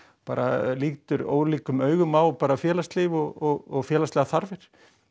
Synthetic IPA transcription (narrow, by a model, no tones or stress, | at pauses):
paːɾʔa̰liːt̪ʏɾo̰ːwliːkʏmœːɥɣʏmawpaːɾafjɛːlast̪lɪvɔɣɔɣɔɣfjɛːlaslɛːɣaθaɾvɪɾ̥